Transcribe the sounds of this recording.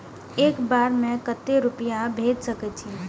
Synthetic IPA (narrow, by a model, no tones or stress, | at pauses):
eːkbaːɾmẽkət̪ːeɾʊpɪjãbʱeːd͡ʒsəkɛt͡ʃʰi